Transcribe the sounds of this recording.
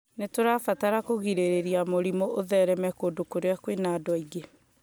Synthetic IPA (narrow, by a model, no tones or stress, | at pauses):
netoɾafataɾakoɣiɾeɾeɾiamoɾimooðɛɾɛmɛkodokoɾeakwenadwaiɣe